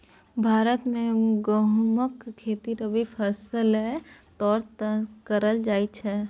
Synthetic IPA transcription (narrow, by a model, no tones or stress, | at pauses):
bʱaːɾət̪mẽɡəɦməkkʰːeːt̪iɾəbʱipʰɛsəlɦɛ | t̪ɔːɾt̪kəɾəld͡ʒaːit͡ʃʰɛː